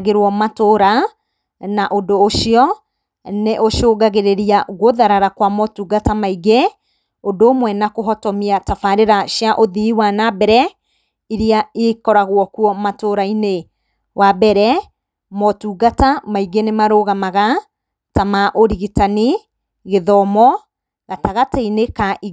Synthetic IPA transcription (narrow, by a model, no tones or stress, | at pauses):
ɣeɾwɔmatoɾa | naʔodoːʃiɔ | neʔoʃoːɡaɣeɾeɾiaɣoðaɾaɾakwamɔtuːɡatamaiɡe | odoːmwɛnakoɦɔtɔmiatafaɾeɾaʃjaʔoðiiwanabɛɾɛ | iɾiaekɔɾaɣwɔkuɔmatoɾaine | wabɛɾɛ | mɔtuːɡatamaiɡenemaɾoɣamaɣa | tamaʔoɾiɣitani | ɣeðɔmɔ | ɣataɣateinekaʔi